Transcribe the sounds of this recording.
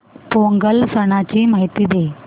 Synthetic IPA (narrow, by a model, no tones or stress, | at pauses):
poŋɡəlsəɽ̃at͡ɕiːmaɦit̪iːd̪e